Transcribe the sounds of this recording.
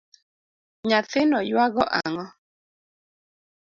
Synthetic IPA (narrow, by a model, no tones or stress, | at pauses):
ɲat̪ɪnɔjwaɡɔʔaŋɔ